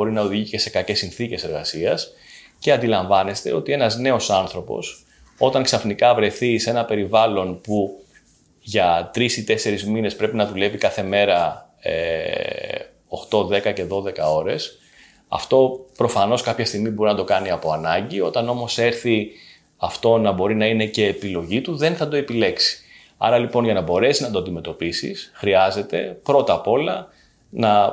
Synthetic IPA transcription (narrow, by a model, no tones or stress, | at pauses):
o̞ɾinɐoðiʝice̞se̞kɐce̞sinθice̞seɾɣɐsiɐs | ce̞ɐnd̪ilɐɱvɐne̞st̪e̞̰o̞t̪ie̞nɐzne̞o̞sɐnθɾo̞po̞̰s | o̞t̪ɐŋksɐfnikɐvɾe̞θise̞nɐpe̞ɾivɐlo̞npu | ʝɐt̪ɾisit̪e̞se̞ɾizmine̞spɾe̞pinɐðule̞vikɐθe̞me̞ɾɐ | ḛ | o̞xt̪o̞ðe̞kɐce̞ðo̞ðe̞kɐo̞ɾe̞s | ɐ̰ft̪o̞pɾo̞fɐno̞skɐpçɐst̪iɣmibo̞ɾinɐd̪o̞kɐniɐpo̞ɐnɐɲɟio̞t̪ɐno̞mo̞se̞ɾθi | ɐft̪o̞nɐbo̞ɾinɐine̞ce̞ːpilo̞ʝit̪uðe̞nθɐd̪o̞e̞pile̞ksi̥ | ɐ̰ɾɐlipo̞nʝɐnɐbo̞ɾe̞siznɐd̪oɐnd̪ime̞t̪o̞pisḭsxɾiɐze̞t̪e̞pɾo̞t̪ɐpo̞lɐ | nɐ